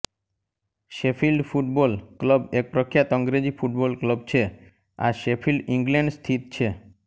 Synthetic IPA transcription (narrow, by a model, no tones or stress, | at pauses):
ʃepʰilɖfʰuʈ̚bolkləbek̚pɾəkʰːjat̪ɔŋɡɾed͡ʒipfʰuʈ̚bolkləbt͡ʃʰe | a̰ʃepʰilɖiŋɡleɳɖst̪ʰit̪t͡ʃʰe